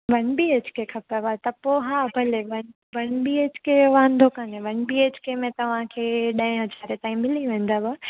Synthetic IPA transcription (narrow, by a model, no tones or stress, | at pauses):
ʋɐnbieːt͡ʃkʰekʰɐpaʋat̪ɐpoːɦaːbʱɐleʋɐn | ʋɐnbieːt͡ʃkʰeʋãːnd̪ʱokaːnẽʋɐnbiːeːt͡ɕkemẽt̪ɐʋ̤ãkʰeːɗɐ̃ɪ̃ɦɐzaːɾet̪ãːĩmɪliʋẽːnd̪abaː